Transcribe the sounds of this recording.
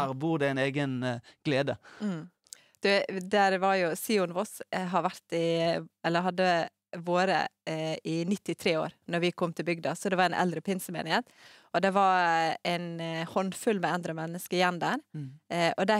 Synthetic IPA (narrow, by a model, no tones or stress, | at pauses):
buːʁd̪ɛɪneːɡənɡ̥leːd̪ə | d̪̥ʉd̪æɾʋɑɾjʊsiːʊnʋɔsɦɑɾʋæɾt̪ɪɛlːəɾɦɑd̪ːə | ʋoːɾə̰ɪnɪt̪ːɪt̪ʰɾeːo̰ːɾnɔɾʋɪkʰɔmt̪ʰɪlbʏɡd̪ɑsɔd̪ɛʋɑɾæɪnʔɛ̰ld̪ɾəpʰɪnsəmḛːnɪheːt̪ɔd̪ɛʋɑɾɛɪnhɔnfʉlːmɛɑnd̪ɾəmɛnːəskəɪjɛnd̪æːɾ | ʔɔd̪æ